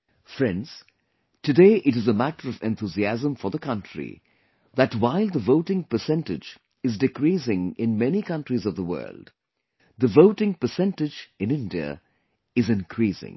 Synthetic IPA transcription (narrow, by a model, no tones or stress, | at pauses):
fɹɛ̃ndz̥ | tʰɨdeɪʔɨɾɨzəmæɾəɹʌvɛ̃nt̪uziæzə̃ɱfəðəkʰʌ̃ntʰɹḭ | ðɨtwaɪlˠd̪əvoʊʈɪ̃ŋpəsɛ̃ntɪd͡ʒ | ɨzdɨkɹisɪ̃ŋɪ̃nmɛnikʌ̃ntɹizʌvðəwɜ̰ːld̥ | ðəvoʊʈɪ̃ŋpəsɛ̃ntɨd͡ʒɨ̃nɪ̃ndiə̰ | ɨzɨ̃nkʰɹisɪ̰̃ŋ